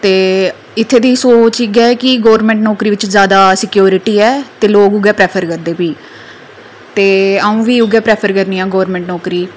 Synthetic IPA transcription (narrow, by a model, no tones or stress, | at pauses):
t̪eː | ɪt̪ʰːeːd̪iːsoːt͡ʃɪɡɛɛːkɪɡoːəɾmɛ̃ːɳʈnɔːkɾiːʋɪt͡ʃzjaːd̪aːsɪkjoːɾɪʈiːɛːt̪eːloːkʊɡɛːpɾɛːpʰəɾkəɾd̪eːpiː | t̪eːaːũːʋiːʊɡɛːpɾɛːpʰəɾkəɾniːãːɡoːʋəɾmɛ̃ːɳʈnɔːkɾiː